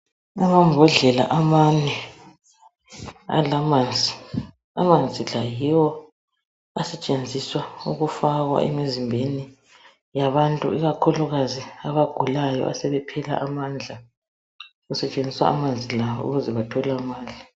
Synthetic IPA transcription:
amambʱɔɮɛla̰ʔamanɛ | a̰lamand͡zʱi | a̰mand͡zʱilajiwɔ | asɛt͡ʃʼend͡zʱiswauɣufaɣwa̰ʔɛmizimbʱeni | jaβantʼṵiɣakʰuluɣaziaβaɡ̥ʱulajɔ̰ʔa̰sɛβɛpʰɛla̰ʔamand͡ɮʱa | ɣusɛt͡ʃʼend͡zʱiswa̰ʔa̰mand͡zʱilawɔṵɣuzɛβatʰɔlamaːli

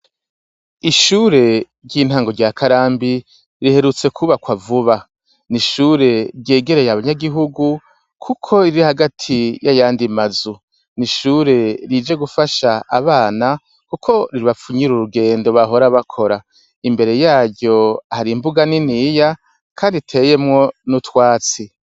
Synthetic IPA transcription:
iʃuːɾe̞ɾɟiːn̥haːŋɡo̞ɾɟaːkʰaɾaːmbi | ɾihe̞ɾut͡se̞kʰuβakwavuβa | niʃuːɾe̞ɾɟe̞ːɡe̞ɾe̞jaβaɲaɡiɦuɡu | kʰukʰo̞iɾihaɡatʰijajaːndimazu | niʃuːɾe̞ɾid͡ʒe̞ɡufaʃaʔaβaːna | kukʰo̞ɾiɾiβafuɲiɾuɾuɡe̞ːndo̞βaɦo̞ɾaβakʰo̞ɾa | imbe̞ɾe̞jaːɾɟo̞haɾimbuɡaniniːja | kʰaːnditʰe̞ːje̞mŋo̞nutwaːt͡si

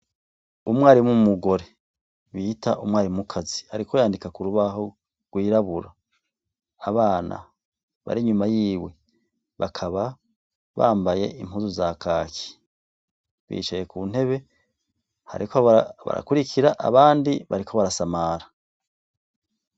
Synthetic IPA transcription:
umwaːɾimumuɡo̞ɾe̞ | βitaʔumwaːɾimukʰazihaɾikʰo̞jaːndikakuɾuβaɦo | ɡ̥wiːɾaβuɾaː | βaːna̰ | βa̰ɾiɲumajiːwe̞ | βakʰaβa | βa̰ːmbaje̞̰imhuːzuzakʰaki̥ | βḭːt͡ʃejekuːnhe̞βe̞ | ha̰ɾikoβa̰ɾa̰kuɾikʰiɾaʔa̰βaːndiβa̰ɾikʰo̞βaɾasamaɾa

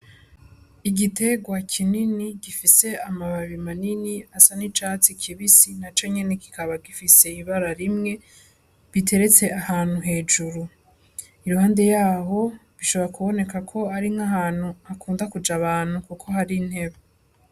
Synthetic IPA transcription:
iɡite̞ɡwakʰininiɡifise̞amaβaβimaniniasanit͡ʃat͡sikʰiβisinat͡ʃo̞ɲe̞neki̥kaβaɡifise̞iβaɾaɾimŋe̞ | βitʰe̞ɾe̞t͡se̞ahaːn̥huɦe̞ːd͡ʒuɾu | iɾuhaːnde̞jaːɦo̞βiʃo̞βoɾakuβo̞ne̞kakʰo̞aɾiŋŋaɦaːn̥huakuːndakud͡ʒaβaːn̥hukukʰo̞haɾinhe̞βa

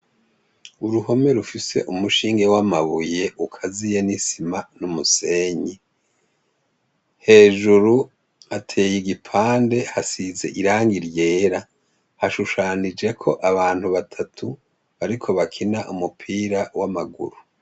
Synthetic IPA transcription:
uɾuho̞me̞ɾufise̞̰ʔumuʃiːŋɡe̞wamaβuje̞ʔukʰazije̞nisimanumuse̞ːɲi | he̞ːʒuɾu | atʰe̞ːjiɡipʰaːnde̞hasize̞̰ʔiɾaːŋɡiɾje̞ːɾa | haʃuʃaːnid͡ʒe̞kʰo̞ʔaβaːn̥huβatʰatʰu | βaɾikʰo̞βakʰinaʔumupʰiːɾawamaɡṵɾu

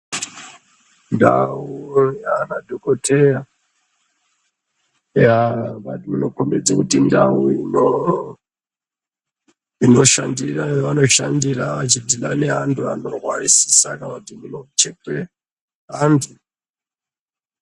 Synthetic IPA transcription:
nda̰ujanadʱokotʰeja | jaβaimuno̞kombed͡zakutindauino | ino̞ʃandiraʋano̞ʃandiɾaʋat͡ʃidʱilaneɦantʰua̰no̞rwarisi̥sakakatimunot͡ʃekwe | ɦandʰu

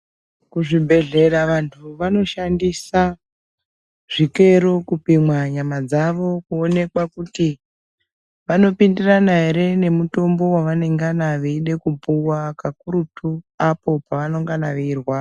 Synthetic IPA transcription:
kuʐibʱe̞ɮe̞ɾaʋantʰuʋano̞ʃandisa | ʐ̥ike̞ɾokupimwaɲamad͡zaʋo̞kuone̞kwakuti | ʋano̞pindiranaɦeɾe̞ne̞muto̞mbo̞waʋane̞ŋɡanaʋeiɗe̞kupuwakakuɾutʰuapo̞paʋano̞ŋɡanaʋirwa

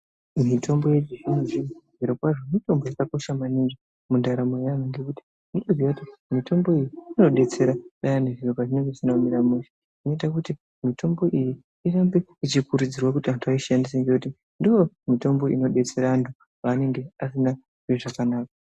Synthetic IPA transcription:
mitʰo̞mbo̞jed͡ʒiʒinuʐiʐiɾokwaʐo̞mito̞mbojakako̞ʃamaninʐa | mundaɾamojanaŋɡe̞kuti̥ | intozijakutimito̞mbo̞ijiino̞ɗe̞t͡se̞ɾaɗajaneʐiropaʐine̞ŋɡeʐisinaumiɾamuʃḁ | ino̞itakuti | mito̞mbo̞ʔiji | irambeit͡ʃikuɾud͡zirwakutiantʰuaiʃandis̬aŋɡekuti | ndiwo̞ | mito̞mbo̞ʔḭno̞ɗe̞t͡se̞ɾaantʰu | paːne̞ŋɡe̞asina | ʐiʐakanaːka

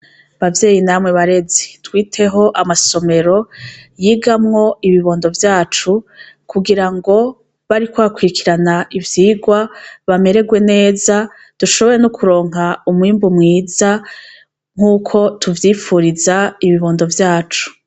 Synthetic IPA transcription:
βavje̞ːjinamŋe̞βaɾe̞ze̥twiːtʰe̞ɦo̞ʔamaso̞me̞ɾo̞jiːɡamŋo̞iβiβo̞ːndo̞vjaːt͡ʃu | kuɡiɾaŋɡo̞ | βaɾikwakwikʰiɾanaʔivjiːɡwaβame̞ɾe̞ɡwe̞ne̞ːza | d̥uʃo̞βo̞ɾe̞nukʰuɾo̞ːŋ̥ɦaumwiːmbumŋiːza | ŋ̥uːkʰo̞tʰuvjiːfuɾizaiβiβo̞ːndo̞vjaːt͡ʃu̥

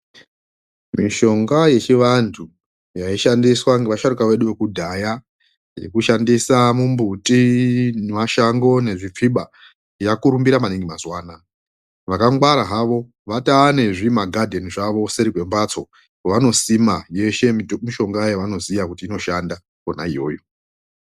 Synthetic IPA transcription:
miʃo̞ŋɡaje̞t͡ʃiʋantʰu | jaiʃandiswaŋɡeʋaʃaɾukaʋe̞ɗuʋe̞kudʱaja | je̞̰kuʃandisamumbutʼinmaʃaŋɡo̞ne̞ʐip͡fiɓa | jakuɾumbiɾamaniŋɡimazwaːna | ʋakaŋɡwaɾaɦaʋo̞ | ʋataːne̞ʐimaɡʱadʱe̞niʐaʋo̞seɾikwe̞mbat͡so̞ | koʋano̞simaje̞ʃe̞miʃo̞ŋɡajeʋano̞zijakutiːno̞ʃanda | kona̰ijo̞ːjo̞

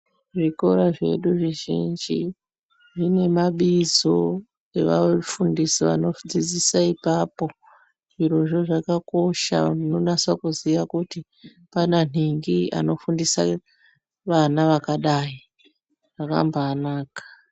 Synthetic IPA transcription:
ʐiko̞ɾaʐe̞̰ɗuʐiʒḭnd͡ʒi | ʐine̞maɓizo̞ | e̞ʋa̰fundisiʋa̰no̞d͡zid͡zisaipapo̞ | ʐiro̞ʐo̞ʐakako̞ʃa̰ino̞naswakuziʋakuti | panan̤iŋɡia̰no̞fundisa | ʋanaʋakaɗai | aka̰mbaːnaːkḁ

